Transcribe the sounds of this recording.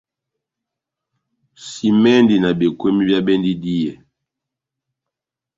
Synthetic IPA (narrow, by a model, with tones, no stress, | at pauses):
si˨mɛ˦ndi˨na˨be˨kwe˦mi˦bja˦bɛ˦ndi˦di˦jɛ˨